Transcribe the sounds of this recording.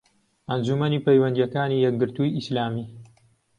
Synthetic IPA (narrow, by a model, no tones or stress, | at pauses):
ʔɐnd͡ʒumɐniːpɐjwɐnd̪ijɛkaːniːjɛk̚ɡɨɾt̪ujislaːmiː